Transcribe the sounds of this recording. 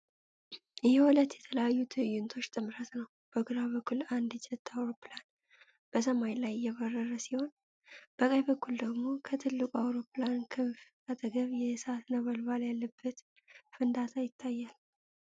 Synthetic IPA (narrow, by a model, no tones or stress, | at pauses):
ʔɨhwɔlət̪jɛt̪ʰələjajːut̪ʰɨjɪnt̪ʰo̞t͡ʃːt̪ʼɨmɾət̪nəw | b̥əɡuɾaβəkʰːuland̪d͡ʒɛt̪ʰːawɾo̞pːɨlan | b̥əs̬əmajlajːɛβərːərəsiho̞n | b̥əkʼəjβəkːuld̪əɡmo̞kʰət̪ʰɨlːɨkʼuawɾo̞pːlankʰɨɱf | at̪ʰʼəɡəβjɛsat̪nəβəlbaljalːəbːət̪ | fɨnd̪at̪ʰajɪt̪ʰːajːal